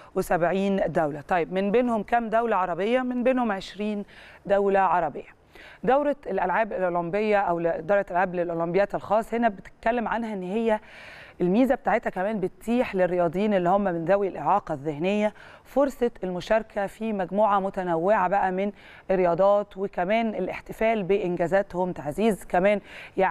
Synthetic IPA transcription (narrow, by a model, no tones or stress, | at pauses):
wesæbʕiːnd̪æwlæt̪ˤɑjːebmenbeːnhomkæmd̪æwlæʕɑɾˤɑbejːɑmenbeːnhomʕeʃɾiːn | d̪æwlæʕɑɾˤɑbḛjːɑ | d̪æwɾɑelʔælʕaːbelʔolombejːɑʔæwld̪ɑːɾet̪ʔælʕaːblelʔolombejæːt̪elxɑːsˤhenæbet̪e̥t̪̚kælːemʕanhæʔenːhejːæ | ʔelmiːzæb̚et̪aʕet̪hækæmæːnbet̪ːiːħlerːejɑːd̪ˤjiːnelːihomːæmenðæwilʔeʕɑːqɑðːehnejːæ | foɾsˤɑelmoʃɑɾˤkʰæfimæɡmuːʕamʊt̪ænæwːeʕabæʔæmen | ʔerːejɑːd̪ˤɑːt̪wekæmæːnelʔeħt̪efæːlbeʔɪnɡæːzæːt̪homt̪aʕziːzkæmæːnjaʕi